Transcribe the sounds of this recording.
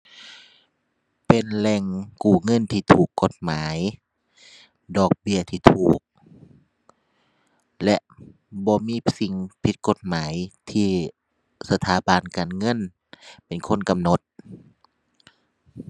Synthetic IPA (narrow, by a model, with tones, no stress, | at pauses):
pe˨nlɛ˧˩ŋkuː˨˩ŋɤ˧˥˨nt̪ʰiː˧t̪ʰuː˨˩kːo˧˦t̪̚maː˨˦j | dɔː˨˩k̚bi˧˩˨ət̪ʰiː˧˩t̪ʰuː˨˩k̚ | lɛ˧ʔ | bɔː˧˦miː˧˥˨si˧ŋpʰi˧˦t̪̚ko˧˦t̪̚maː˨˦jt̪ʰiː˧˩ | sa˧t̪ʰaː˨˦ba˨nkaː˨nŋɤ˧˥˨n | pe˨˩nkʰo˧˥˨nka˨mno˧˦t̪̚